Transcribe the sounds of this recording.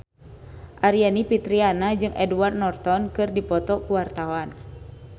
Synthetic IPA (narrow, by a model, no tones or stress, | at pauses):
ʔaɾianipit̪ɾianad͡ʒɨŋʔɛduward̪̚nɔrt̪ɔnkɨrdipɔt̪ɔkuwart̪awan